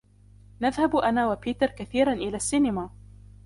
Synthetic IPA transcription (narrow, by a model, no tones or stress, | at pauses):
naðhabʔanaːwapiːt̪ɪɾkaθiːɾˤanʔɪlaːsːiːnɪmaː